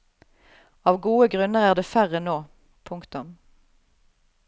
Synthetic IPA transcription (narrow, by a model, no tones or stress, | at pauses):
ɑːʋɡuːəɡʁʉnəʁæːʁd̪eːfæʁənoː | pʰʊŋkt̪ʊm